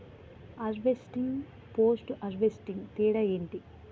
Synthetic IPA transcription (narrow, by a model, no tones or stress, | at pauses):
ɐɾʋesʈiŋɡ | poːsʈʔɐɾʋesʈiŋɡt̪iːɽɐjeːɳʈi